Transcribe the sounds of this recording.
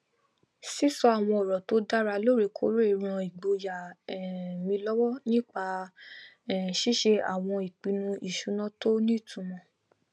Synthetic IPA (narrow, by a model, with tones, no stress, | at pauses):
si˦sɔ˦a˨w̃ɔ̃˧ɔ˨ɾɔ˨to˦da˦ɾa˧lo˦ɾe˧˨kʰo̰˦ɾo˦i˦˧ɾ̃ã˧i˨ɡ͡bo˧ja˨ɛ˨mĩ˧lɔ˦wɔ˦nĩ˦k͡pa˧˨ | ʃi˦ʃe˧a̰˨w̃ɔ̃˧i˨k͡pi˨˦nũ˧ʔi˨ʃu˨˦nã˦to˦nĩ˦˨tũ˨˧mɔ̃˧